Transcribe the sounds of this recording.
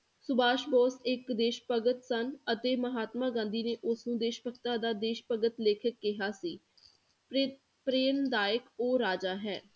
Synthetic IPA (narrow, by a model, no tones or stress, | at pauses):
sʊbaːʃbɔːsɪkd̪eːʃpəɡət̪sənət̪eːməɦaːt̪mãːɡãːnd̪iːneːʔʊsnũːd̪eːʃpəkt̪aːd̪aːd̪eːʃpəɡət̪leːkʰəkːɪɦaːsiː | pɾeːnd̪aːəkoːɾaːd͡ʒaːɦɛː